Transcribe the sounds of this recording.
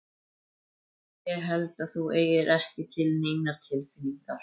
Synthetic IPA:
jɛɣɦɛlt̪aðθueːjɪɾʔɛhcɪt̪ʰɪlneːjnaɾ̥t̪ʰɪlfɪnːiŋkaɾ̥

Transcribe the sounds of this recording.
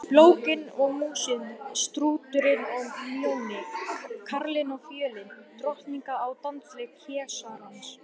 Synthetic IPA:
ploːwkɪnɔɣmuːsɪnst̪ɾuːt̪ʏɾɪnɔɣmjownɪkʰaɾlɪnɔɣfjœːlɪnt̪ɾɔht̪niŋkaːwt̪ant̪slɪkʰɛːsahɪns

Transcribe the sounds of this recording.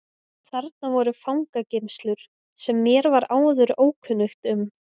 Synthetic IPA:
θaɾt̪̚navɔɾʏfawŋkacɪmst̪lʏɾ̥ | sɛmːjɛɾvaɾaːwðʏɾoːwkʰʏnːʏxt̪ʏm

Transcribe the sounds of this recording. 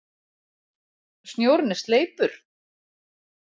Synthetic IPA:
st̪njoːwɾnɪst̪leːjpʏɾ̥

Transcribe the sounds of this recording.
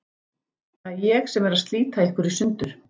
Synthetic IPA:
ajɛxsɛmɛɾaðst̪liːt̪aehkʏɾisʏnt̪ʏɾ̥

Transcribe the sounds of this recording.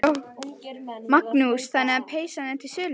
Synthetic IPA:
o | maknusθanːɪapʰeːjsanɛt̪ʰɪlsʏːl

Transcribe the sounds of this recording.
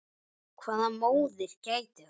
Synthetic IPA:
kʰvaːðamoːwðɪɾ̥caːjt̪ɪ

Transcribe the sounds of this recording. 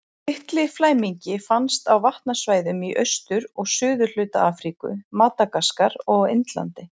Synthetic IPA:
ɪht̪lɪflaːjmiɲcɪfanst̪awvaht̪nasvaːjðʏmiʔœɥst̪ʏɾɔɣsʏːðʏl̥ʏːt̪a̰aːfɾikʏ̰maːt̪akaskaɾɔɣɪ̰nt̪la̰nt̪ɪ

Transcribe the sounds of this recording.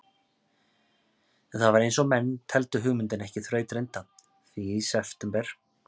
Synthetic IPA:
ɛnθaðvaɾejnsɔmɛnːt̪ʰɛlt̪ʏɦʏɣmʏnt̪ɪnɛhcɪθɾœːɥt̪ɾejnt̪a | θiisɛft̪ɛmpɛɾ̥

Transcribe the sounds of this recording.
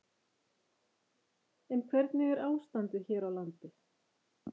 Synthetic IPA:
ɛnkʰvɛɾt̪nɪɣɛɾaːwst̪ant̪ɪçɛːɾawlant̪ɪ

